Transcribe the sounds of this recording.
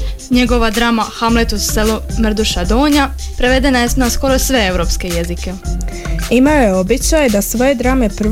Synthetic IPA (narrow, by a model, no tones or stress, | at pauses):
ɲeɡo̞ʋad̪ɾaːmaxamlet̪uselumr̩d̪uʃad̪oːɲa | pɾe̞ʋe̞d̪e̞najesnasko̞ɾo̞sʋe̞ewɾo̞pske̞je̞zike̞ | imajojeobit͡ɕajd̪asʋo̞jed̪ɾaːme̞pr̩